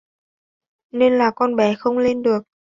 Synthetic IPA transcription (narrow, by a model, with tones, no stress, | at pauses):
ne˧nlaː˨˩kɔ˧nɓɛ˧˩˦xə˧wŋ͡mle˧nɗɨ˨˩ək̚